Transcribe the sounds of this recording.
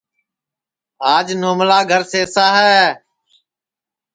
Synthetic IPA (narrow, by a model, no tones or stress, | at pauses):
aːd͡ʒnoːmlaːɡʱəɾseːsaːɦɛː